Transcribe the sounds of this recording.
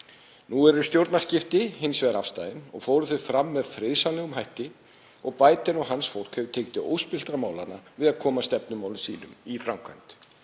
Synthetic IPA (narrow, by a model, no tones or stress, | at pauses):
nuɛɾʏ̥st̪jowɾt̪nascɪft̪ɪhɪnsvɛðaɾafst̪ajðɪnɔ̰ɣfoːwɾʏθʏfɾamːɛðfɾɪðsanɛɣʏmɦajht̪ɪ | ɔɣpaːjt̪ɪnɔɣɦansfowl̥kʰhœvt̪ʰeːjk̚t̪ɪʔo̰ːwspɪl̥t̪ɾamaːwlanavɪðaðkʰɔːmast̪ɛpnʏmaːwlɪmsḭːnʏmifɾamkʰvajn̥t̪